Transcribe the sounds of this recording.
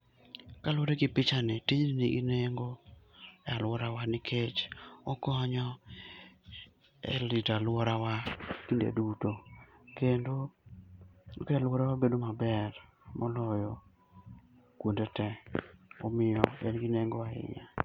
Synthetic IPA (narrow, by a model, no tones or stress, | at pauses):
kaloɾeɡɪpɪt͡ʃanɪtiɲnniɡineŋɡo | ɛalwɔɾawanɪkʰet͡ʃɔkɔɲɔ | ɛ̰litalwɔɾawakindḛdutokendo | kɛalwɔɾawabedomabɛɾ | mʔɔlɔjɔ | kwondetɛɔmɪjɔɛ̰nɡineŋɡoaɪ̰ɲa̰